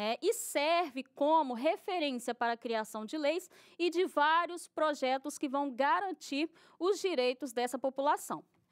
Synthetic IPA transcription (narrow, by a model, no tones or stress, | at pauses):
ɛʔɪsɛɾvɪkõmʊɦefeɾẽsiɐpaɾɐkɾiasɐ̃w̃d͡ʒɪlejs | ɪd͡ʒɪvaɾjʊspɾoʒɛt̪ʊskɪvɐ̃w̃ɡaɾɐ̃t͡ʃiɾ | ʊzd͡ʒiɾejt̪ʊzd̪ɛsɐpopulasɐ̃w̃